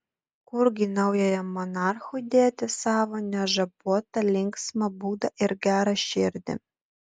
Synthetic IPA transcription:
kʊɾɡʲinɐʊjojɛmɔnɑrxʊjd̪ʲeːt̪ʲɪsɑːʋoːnʲɛʒɐbuɔt̪ɐlʲɪŋksmɐbuːd̪ɐʔɪɾɡʲæːɾɐʃɪɾʲd̪ʲɪ̰

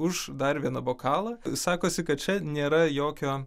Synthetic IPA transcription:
ʊʃd̪ɐrʋʲiɛnɐboːkɑːlˠɐsɑːkoːsʲɪkɐt̪̚t͡ʃʲɛnʲeːɾɐjoːkʲoː

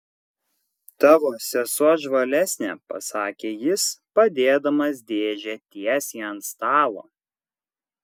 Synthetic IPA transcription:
t̪ɑːʋoːsʲɛsuɔʒʋɐlʲæsʲnʲɛːpɐ̰sɑːkʲeːjɪspɐd̪ʲeːd̪ɐmɐsʲd̪ʲeːʒʲeːt̪ʲiɛsʲiːɐnt̪st̪ɑːlˠo̰ː

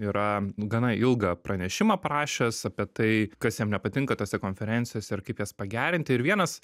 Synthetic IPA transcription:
iɾɐɡɐnɐɪlˠɡɐpɾɐnʲɛʃʲɪmɐːpɾɑːʃʲɛsɐpʲiɛt̪ɐɪkɐsjɛmnʲɛpɐt̪ʲɪŋkɐt̪oːsʲɛkoːnʲfʲɛɾʲɛnʲt͡ssʲɪjoːsʲɛɪɾkɐɪpjɛːspɐɡʲæːɾʲɪnʲt̪ʲɪɪɾʋʲiɛnɐs

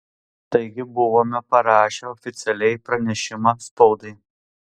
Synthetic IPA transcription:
t̪ɐɪɡʲɪbʊʋoːmʲɛpɐɾɑːʃʲɛɔfʲɪt̪sʲɛlʲɛɪpɾɐnʲɛʃʲɪmɑspɔʊd̪ɐɪ

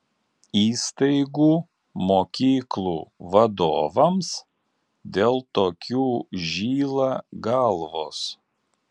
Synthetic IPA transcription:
iːst̪ɐɪɡuː | moːkʲiːklˠṵːʋɐd̪oːʋɐms | d̪ʲeːlˠt̪oːkʲuːʒʲiːlˠɑːɡɑlˠʋoːs

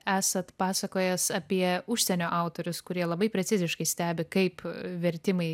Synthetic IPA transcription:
æːsɐt̪pɑːsɐkoːjɛsɐpʲiɛʊʃʲsʲɛnʲoːʔɑʊt̪oːɾʲʊskʊɾʲiɛlˠɐbɐɪpʲɾʲɛsʲɪzʲɪʃkɐɪsʲt̪ʲæːbʲɪkɐɪpʋʲɛɾʲt̪ʲɪmɐɪ

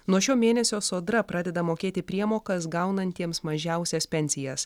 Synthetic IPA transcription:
nuɔʃʲoːmʲeːnʲɛsʲoːsoːd̪ɾɐpɾɑːd̪ʲɛd̪ɐmoːkʲeːt̪ʲɪpʲɾʲiɛmoːkɐsɡɐˑʊnɐnʲt̪ʲiɛmsmɐʒʲæˑʊsʲɛspʲɛnʲsʲɪjɛs

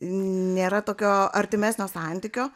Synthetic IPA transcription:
nʲeːɾɐt̪oːkʲoːɐɾʲt̪ʲɪmʲæːsʲnʲoːsɑˑnʲt̪ʲiːkʲoː

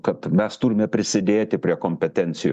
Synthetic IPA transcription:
kɐt̪mʲɛst̪ʊɾʲɪmʲɛpʲɾʲɪsʲɪd̪ʲeːt̪ʲɪpʲɾʲiɛkoːmʲpʲɛt̪ʲɛnʲt̪sʲɪj̰

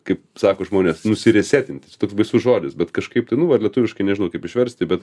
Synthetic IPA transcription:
kɐɪpsɑːkoːʒmoːnʲeːsnʊsʲɪɾʲɛsʲæːt̪ʲɪnʲt̪ʲɪ̥t͡ʃʲɛt̪oːksbɐɪsʊsʒoːd̪ʲɪsbʲɛt̪kɐʃkɐɪp̚t̪ɐɪnʊʋɐɐrlʲɛt̪ʊʋʲɪʃkɐɪnʲɛʒʲɪnɐʊkɐɪpɪʃʲʋʲɛɾʲsʲt̪ʲɪbʲɛt̪

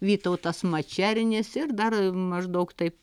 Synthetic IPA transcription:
ʋʲiːt̪oʊt̪ɐsmɐt͡ʃʲæːɾʲɪnʲɪsɪrd̪ɐrmɐʒd̪ɐʊkt̪ɐɪp

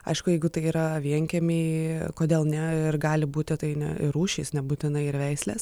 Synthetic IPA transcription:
ɐ̰ɪʃkʊjɛɪɡʊt̪ɐɪiːɾɐʋʲiɛŋʲkʲɛmʲeːkoːd̪ʲeːlˠnʲɛɪrɡɑːlʲɪbuːt̪ʲɪt̪ɐɪnʲɛ̰ɪɾuːʃʲiːsnʲɛbuːt̪ʲɪnɐɪɪɾʋʲɛɪsʲlʲeːs

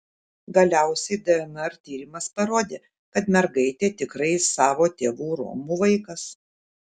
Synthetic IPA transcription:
ɡɐlʲæˑʊsʲɛɪd̪ɛɛmɛɾt̪ʲiːɾʲɪmɐspɐɾoːd̪ʲeː | kɐt̪mʲɛɾɡɐɪt̪ʲeːt̪ʲɪkɾɐɪsɑːʋoːt̪ʲeːʋuːɾo̰ːmuʋɐɪkɐs

